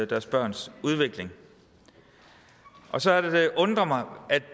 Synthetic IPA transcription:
d̥æɐsb̥ɶɐ̰nsuð̞ˠʋeɡ̥le̝ŋ | ʔɒ̽sɒ̽æɐd̥ed̥e̝ʔɔ̽nd̥ʁɐmɑ̈ɪʔæd̥

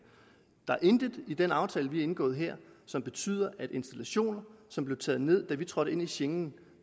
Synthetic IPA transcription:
d̥ɑ̈æɐʔe̝nd̥ið̥ˠid̥enɑ̈ʊt͡sʰɛːləʋiæe̝nɡ̥ɔ̰̽ːðˠɦeɐ̰sɒ̽mb̥e̝t͡sʰy̰ːð̞̰ˠɐʔæd̥e̝nsd̥ælæɕo̝̰ːnɐsɒ̽mb̥le̝ʊt͡sʰɛ̰ːð̞̩ˠne̝ð̞̰ˠd̥æʋit͡sʰʁɒ̽ɾ̥əe̝n̰iɕeŋn̩

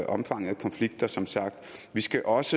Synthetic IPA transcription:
ʔɒ̽mfɑ̈ŋ̰ð̩ˠkʰɒ̽nfliɡ̥̚d̥ɐsɒ̽msɑ̈ɡ̥̚d̥ʋisɡ̥æʔɒ̽sə

